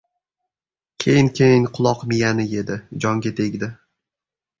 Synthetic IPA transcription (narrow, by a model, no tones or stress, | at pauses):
kʲʰejɪnkʲʰejɪŋqʰʊlˠɒqmɪjanɪje̞d̪ɪd͡ʒɒŋɡʲat̪ʰe̞ɡʲd̪ɪ